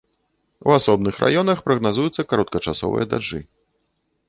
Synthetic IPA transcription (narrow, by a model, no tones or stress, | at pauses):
ṵasɔbnɨxrʔa̰jɔnɐxpɾɐɣnazujut̪sːɐkaɾɔt̪̚kɐt͡ʂasɔ̰vɨ̰jɐd̪a̰ʐːɨ̰